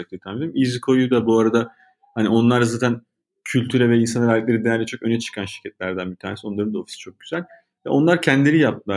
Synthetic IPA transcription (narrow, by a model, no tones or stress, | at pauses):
ak̚t̪ˠijt̪ʰanmedeɾimizikʰo̞jud̪abuaɾad̪a | hanio̞nlˠaɾzaːt̪ʰæn | cʰylʲt̪ʰyɾɛvɛinsanɯvælʲiclʲeɾid̪ejæɾlʲɛt͡ʃʰo̞kø̞nɛt͡ʃʰɯ̥kʰanʃiɾcʰɛt̪lʲæɾd̪ænbit̪ʰaːnesio̞nlˠaɾɯnd̪ao̞fi̥si̥t͡ʃʰo̞k̚ɟyzælʲ | vɛ̰o̞nlˠaɾcʰɛnd̪lʲe̞ɾijap̚t̪ɯlˠa